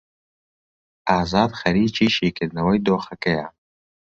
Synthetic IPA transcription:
aːzɑːd̪xɐɾiːt͡ʃiːʃiːkɪɾnɐwɐjd̪oːxɐkɐja

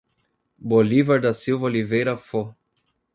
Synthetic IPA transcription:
bolivaɾd̪ɐsiwvolivejɾɐfo

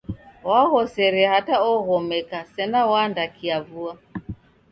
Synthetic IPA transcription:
waɣɔsɛɾɛhataɔɣɔmɛkasɛnawandakiavua

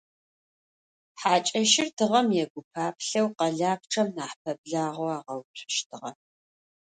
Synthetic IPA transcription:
ħaːt͡ʃʼɐʃɪrtʰɨʁɐmjɛɡʷʊpʰaːpʰɬɐwqɐɮaːp̚ʈ͡ʂʰʼɐmnaːħpʰɐb̚ɮaːʁoaːʁɐwtʰʷʃtʰɨʁɐ̰

